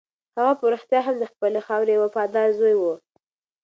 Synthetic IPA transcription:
haɣapʊɾəxt̪jɑɦamd̪əxpəlexɑwɾewafɑd̪ɑzojwu

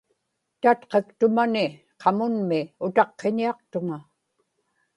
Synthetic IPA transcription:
t̪at̪qe̞kt̪ʊmanɪ | qʰɑmʊnmɪʊt̪ɑqːe̞ɲiɑq̚t̪ʊŋa

